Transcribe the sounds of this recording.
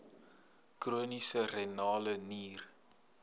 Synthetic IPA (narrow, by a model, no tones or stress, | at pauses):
kruənisərenɑːləniːr